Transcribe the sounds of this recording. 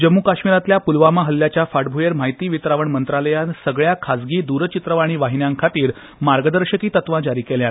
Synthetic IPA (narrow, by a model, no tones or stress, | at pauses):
d͡ʑəmːukaɕmiɾat̪ljapulʋamaɦəlːjat͡ɕjafaʈbʱujeɾm̤aɦjt̪iːʋit̪ɾaʋəɳmənt̪ɾaləjansəɡɭjakʰad͡zɡiːd̪uɾət͡ɕit̪ɾəʋaɽ̃iːʋaɦinjãŋkʰat̪iːɾ | maɾɡəd̪əɾɕəkiːt̪ət̪ʋãd͡ʑaɾiːkɛljãt̪